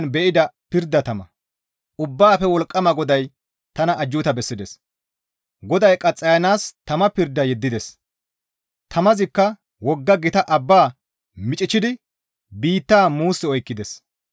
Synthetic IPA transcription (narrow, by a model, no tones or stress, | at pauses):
nbɛʔɪd̪ɐpɪɾd̪ːɐt̪ɐmɐ̰ | ʔʊbːaːfɛwɔlkʼːɐmɐɡɔd̪ɐj | t̪ɐnɐʔːd͡ʒːʊt̪ɐbɛsːɪd̪ɛs | ɡɔd̪ɐjkʼɐt͡sʼːɐjɐnaːst̪ɐmɐpɪɾd̪ːɐjɛd̪ːɪd̪ɛs | t̪ʰɐmɐzɪkːɐ | wɔɡːɐɡɪt̪ɐʔɐbːaː | mɪt͡ʃʼɪt͡ʃːɪd̪ɪ | biːt̪ːaːmuːsːɛɔjkːɪd̪ɛs